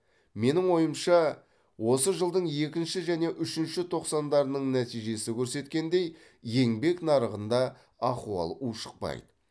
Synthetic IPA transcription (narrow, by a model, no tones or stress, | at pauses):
me̞nɪŋwo̞jəmʃɑ | wo̞səʒəlˠd̪əɴje̞kʲɪnʃɪʒæne̞ʔʏʃɪnʃɪt̪ʰo̞qsɑnd̪ɑɾənəɴnæt̪ijʒe̞sɪkʲʰɵɾse̞t̪kʲe̞nd̪e̞j | je̞ŋbe̞knɑɾəʁənd̪ɑ | ɑquɑ̰lˠuʃə̥q̚pɑ̰jd̪ə